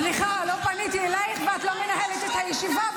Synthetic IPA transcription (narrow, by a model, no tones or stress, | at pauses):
liχalopanit̪ielajχveat̪lomenahelet̪et̪hajɛʃiva